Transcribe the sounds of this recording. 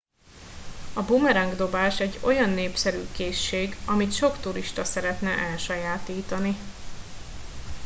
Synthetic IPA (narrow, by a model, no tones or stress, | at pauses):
ɒbumɛɾɛŋɡd̪o̞baːʃɛɟːo̞jɒnːeːpsɛɾyːkeːʃːeːɡɒmit̪ʃo̞kt̪uɾiʃt̪ɒsɛɾɛt̪nɛʔɛlʃɒjaːt̪iːt̪ɒni